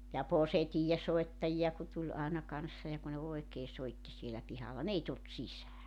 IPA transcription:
jɑ posetiːjesoetːɑjiɑ ku tulʲ ɑenɑ kɑnsːɑ jɑ ku ne oekeː soitːi sielæ pihɑlːɑ n ei tult sisæː

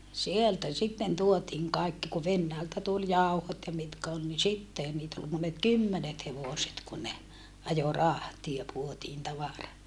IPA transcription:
sieltæ sitːen tuotiːŋ kɑikːi ku ʋenːæːltæ tul jɑˑuhot jɑ mitkæ ol ni sitːehæn niːt ol monet kymːenet heʋoˑset kun ne ɑjo rɑhtiɑ puotiːn tɑʋɑrɑ

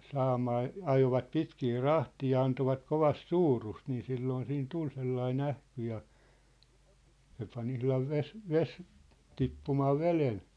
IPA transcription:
sɑːmɑː ɑjoʋɑt pitkiː rɑhtiː jɑ ɑntoʋɑt koʋɑst suːrust niː silːoːn siːn tul selːɑin æhky jɑ se pɑn ihlɑʋ ʋes ʋes tipːumɑː ʋelen

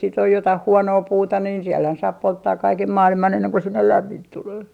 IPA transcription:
sit oj jotɑh huonoː puːtɑ niːn sielhæn sɑːp poltːɑːk kɑikem mɑːlimɑn enːeŋ ko sinːel læmːint tuleː

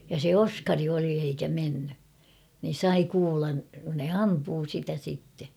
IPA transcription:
jɑ se oskɑri oli eikæ menːy nin̞ sɑi kuːlɑn ne ɑmpuː sitæ sitːe

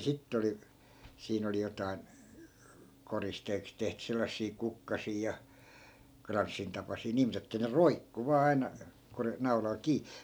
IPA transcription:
sitː oli siːn oli jotɑi̯n koristeːks tehty selːɑsːiː kukːɑsiː jɑ krɑnsːintɑpɑsiː niː mut etːæ ne roikːu ʋɑː ɑi̯nɑ ko ne nɑulɑl kiː

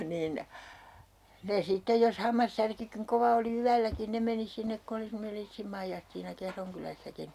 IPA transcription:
niːn ne sitːej jos hɑmːɑsːærkykiŋ koʋɑ oli yælːækin ne meni sinːek ku oli semːonel liːtsim mɑijɑstiːnɑ kehroŋ kylæsːækin

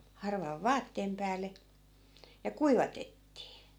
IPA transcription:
hɑrʋɑʋ ʋɑːtːeːm pæːlˑe jɑ kuiʋɑtetːiː

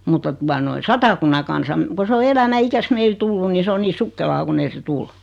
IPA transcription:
mutːɑ tuɑ noi sɑtɑkunːɑ kɑnsɑm ko se o elæmæ ikæs meil tulːun̆ ni se o niː sukːelɑː kun ei se tul

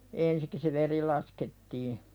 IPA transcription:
ensik se ʋeri lɑsketːiː

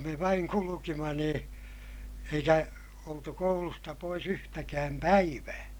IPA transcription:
me ʋɑiŋ kulukimɑ nĩː eikæ oltu koulustɑ pois yhtækæːm pæiʋæː

